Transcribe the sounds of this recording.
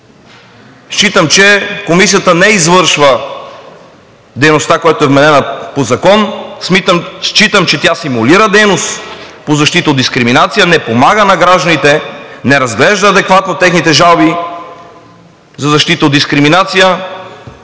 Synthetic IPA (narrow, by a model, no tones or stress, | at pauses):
ʃt͡ʃit̪əmt͡ʃɛkomisijət̪ənɛizvɤɾʃvə | d̪ɛjnost̪akojat̪oɛvmɛnɛnəpozɐkɔnsiʃt͡ʃit̪əmt͡ʃɛt̪jasimuliɾəd̪ɛjnost̪pozɐʃt̪it̪əod̪d̪iskɾiminat̪sijənɛpomaɡənɐɡɾaʒd̪ənit̪ɛnɛɾɐzɡlɛʒd̪ɐːd̪ɛkvat̪not̪ɛxnit̪ɛʒalˠbi | zɐzɐʃt̪it̪əod̪d̪iskɾiminat̪sijə